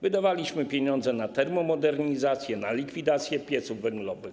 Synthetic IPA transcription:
vɘd̪avalʲiɕmɘpʲjeɲɔnd̪zɛnat̪ɛɾmɔmɔd̪ɛɾɲizat̪sʲjɛnalʲikfʲid̪at̪sʲjɛpʲjɛt̪suvːɛŋɡlɔvɘx

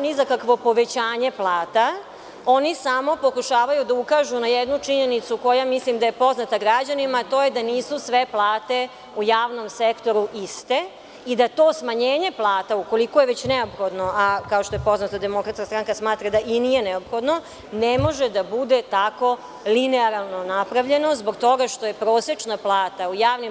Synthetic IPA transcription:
nizakakʋo̞po̞ʋet͡ɕaːɲe̞plˠaːt̪a | o̞nisamo̞po̞kuʃaːʋajud̪aukaʒunajed̪nut͡ʃiɲenit̪suko̞jamislimd̪ajepo̞znat̪aɡɾad͡ʑanimaːt̪o̞je̞d̪aniːsusʋe̞plˠaːt̪e | ujaːʋno̞msekt̪o̞ɾuʔist̪e | id̪at̪o̞smaɲeːɲe̞plˠaːt̪auko̞likojeʋet͡ɕneopxo̞d̪noʔakaoʃt̪o̞jepo̞znat̪ad̪e̞mo̞kɾat̪skast̪ɾaŋkasmaːt̪ɾad̪aʔinijeneopxo̞d̪no̞ | nemo̞ʒed̪abud̪et̪ako̞ | lineaɾalˠno̞napɾaʋʎe̞no̞zbo̞ɡt̪o̞ɡaʃt̪oje̞pɾoːsjet͡ʃnaplˠaːt̪aujaːʋnim

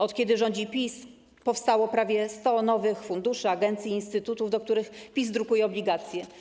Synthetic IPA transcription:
ɔt̪kʲɛd̪ɘʐɔɲd͡ʑipʲis | pɔfst̪awɔpɾavʲjɛst̪ɔnɔvɘxfund̪uʂɘaɡɛnt̪sʲjiːnst̪ɘt̪ut̪uvd̪ɔk̚t̪uɾɘxpʲizd̪ɾukujɛɔblʲiɡat̪sʲjɛ

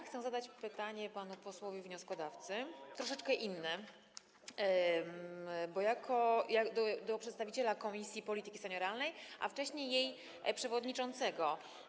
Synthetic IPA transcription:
xt̪sɛ̃zad̪at͡ɕpɘt̪aɲɛpanupɔswɔvʲivɲɔskɔd̪aft̪sɘt̪ɾɔʂɛt͡ʂkɛʔinːɛ | bɔjakʰɔjakd̪ɔd̪ɔpʂɛt̪st̪avʲit͡ɕɛlakɔmʲisʲjipɔlʲit̪ɘkʲi̥sɛɲɔɾalnɛjʔa̰ft͡ʂɛɕɲejːej | pʂɛvɔd̪ɲit͡ʂɔnt̪sɛɡɔ

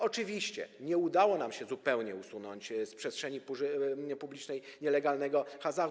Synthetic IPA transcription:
ɔt͡ʂɘvʲiɕt͡ɕɛ̰ɲɛud̪awɔnamɕɛzupɛwɲɛusunɔɲt͡ɕspʂɛstʂɛɲipupublʲit͡ʂnɛjɲɛlɛɡalnɛɡɔxaza

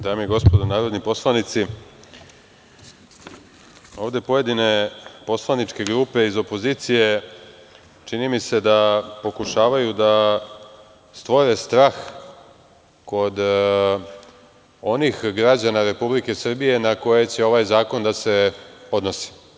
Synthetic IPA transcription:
d̪aːmiiɡo̞spo̞d̪onaːɾo̞d̪nipo̞slˠanit̪si | o̞ːʋd̪e̞po̞je̞d̪ine̞po̞slˠanit͡ʃke̞ɡɾuːpe̞izo̞po̞ziːt̪sije̞ | t͡ʃinimise̞d̪apo̞kuʃaːʋajud̪a | st̪ʋoɾe̞st̪ɾaːx | ko̞d̪ | o̞nixɡɾad͡ʑanaɾe̞publike̞sr̩bije̞nako̞je̞t͡ɕe̞o̞ʋajzaːko̞nd̪ase̞o̞d̪no̞si̥

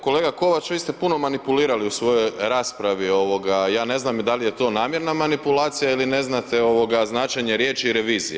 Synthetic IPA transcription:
ko̞le̞ːɡako̞ʋat͡ʃʋiːst̪e̞puno̞manipuliːɾaliusʋo̞jo̞jɾaːspɾaʋio̞ʋo̞ɡajaːne̞znamd̪alije̞t̪o̞ːnaːmje̞ɾnamanipulaːt̪sijailine̞znat̪eo̞ʋo̞ɡaznaːt͡ʃeɲe̞ɾjeːt͡ʃiːɾe̞ʋiːzijḛ

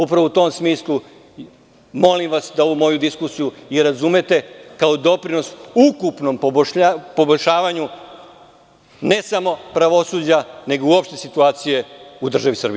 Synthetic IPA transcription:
upɾaʋout̪o̞ːmsmiːslˠu | mo̞limʋasd̪aoʋumo̞jud̪iskusijuiɾazume̞t̪e̞kaod̪o̞pɾino̞sukupno̞m | po̞boʎʲʃaːʋaɲu | ne̞samo̞pɾaʋo̞suːd͡ʑane̞ɡoiuopʃt̪e̞sit̪uaːt̪sije̞ud̪r̩ʒaʋisr̩bi

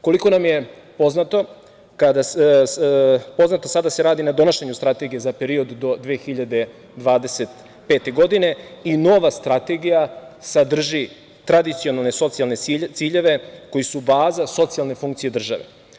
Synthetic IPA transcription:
ko̞liko̞namje̞ | po̞znat̪o̞ | kad̪a | po̞znat̪osad̪ase̞ɾaːd̪inad̪o̞naʃeɲust̪ɾat̪e̞ɡije̞zape̞ɾio̞d̪ːo̞d̪ʋeːxiʎad̪e̞ | d̪ʋaːd̪e̞se̞t̪ | pe̞ːt̪e̞ɡo̞d̪ine̞ino̞ʋast̪ɾat̪e̞ɡijasad̪r̩ʒi | t̪ɾad̪it̪sio̞nalˠne̞so̞t̪sialnet̪siːʎe̞ʋe̞ko̞jisubaːzaso̞t̪sialne̞fuŋkt̪sije̞d̪r̩ʒaʋḛ

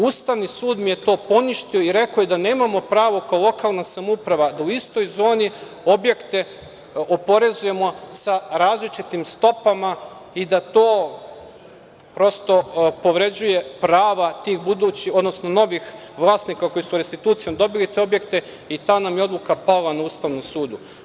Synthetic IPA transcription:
ust̪aʋnisuːd̪mije̞t̪o̞ːpo̞niʃt̪io̞iɾe̞kojed̪aneːmamo̞pɾaːʋo̞kaolˠo̞kalˠnasamoupɾaʋad̪auist̪o̞jzo̞ːni | o̞bje̞kt̪e̞ | opo̞ɾe̞zuje̞mo̞saɾaːzlit͡ʃit̪imst̪o̞pama | id̪at̪oː | pɾo̞st̪o̞po̞ʋɾe̞d͡ʑuje̞pɾaːʋat̪iːxbud̪ut͡ɕio̞d̪no̞sno̞no̞ʋix | ʋlˠaːsnikako̞jisuɾest̪it̪uːt̪sijo̞md̪o̞bilit̪e̞obje̞kt̪e̞ | it̪aːnamjeo̞d̪lˠukapalanauːst̪aʋnomsuːd̪u

